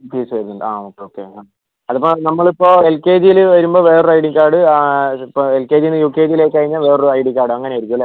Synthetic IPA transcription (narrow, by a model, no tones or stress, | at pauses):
piːsʋɐɾunːuɳɖɐaːoːkːeoːkːea | ɐðɐpːonɐmːɐɭipːo̞ːelkeːd͡ʑijilɨʋɐɾumbo̞ːʋe̞ːrɨɐjɽiŋkaːɽɨpːoelkeːd͡ʑijnːɨjuːkːeːd͡ʑijileːkːkɐɻiɲːaːlʋe̞ːrɨɐjɖikːaːɽɨɐŋːɐneajiɾikʲːuʋɐlːe